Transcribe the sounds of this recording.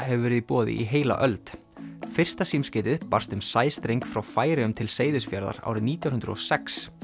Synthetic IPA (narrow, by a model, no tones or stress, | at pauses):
ɦɛvʏvɛːɾɪðipɔːðɪ̰ʔiɦeːjla̰ʔœlt̪ | fɪr̥st̪asimscɪːt̪ɪðpar̥st̪ʏmsaːjst̪ɾejŋkfɾawfaːjɾɪʏmt̪ʰɪlseːjðɪsfjaɾða̰ɾa̰ːwɾɪniːt̪jawhʏnɾ̰ɔsɛks